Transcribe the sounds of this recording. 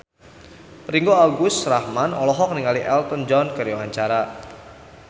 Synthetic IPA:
riŋɡoaɡʊst̪rahmanɔlɔɦɔk̚niŋaliʔɛlt̪ənd͡ʒɔnkəɾjɔwaɲt͡ʃaɾa

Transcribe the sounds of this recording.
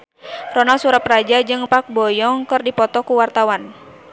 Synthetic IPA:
rɔnalsuɾaprad͡ʒad͡ʒɨŋpak̚bɔjɔŋkɨrdipɔt̪ɔkuwart̪awan

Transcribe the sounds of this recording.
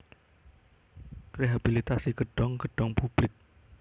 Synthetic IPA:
kɾeɦabilit̪asiɡ̥əɖ̥ɔŋɡə̤ɖ̥ɔŋpub̥lɪk̚

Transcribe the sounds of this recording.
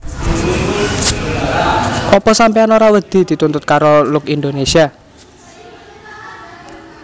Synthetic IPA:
ʔɔpɔsampeanoɾawəd̪̥i̤d̪̥i̤t̪unt̪ʊt̪̚kaɾolʊkind̪onesia

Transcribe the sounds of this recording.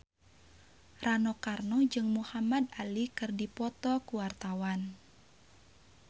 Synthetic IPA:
ranɔkarnɔd͡ʒɨŋmuhamad̪alikɨrdipɔt̪ɔkuwart̪awan

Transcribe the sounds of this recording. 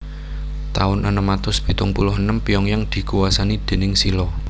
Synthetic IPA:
t̪aʊnʔənəmat̪ʊsb̥i̤t̪ʊŋpulʊhənəmpijɔŋjaŋd̪̥i̤kuwasanid̪̥e̤nɪŋsilɔ

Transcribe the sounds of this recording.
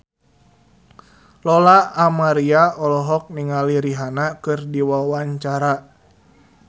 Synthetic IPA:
lɔlaːmaɾiaɔlɔɦɔk̚niŋaliɾiɦanakɨrdiwawaɲt͡ʃaɾa

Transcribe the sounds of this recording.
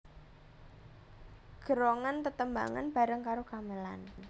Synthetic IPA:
ɡ̥əɾoŋant̪ət̪əmba̰ŋa̰nb̥a̤ɾəŋkaɾokaməla̰n

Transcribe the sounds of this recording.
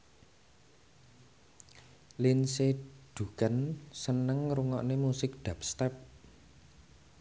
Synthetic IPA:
linseɖ̥ṳkansənəŋɾuŋɔʔnemusɪk̚d̪̥a̤p̚st̪ɛp̚

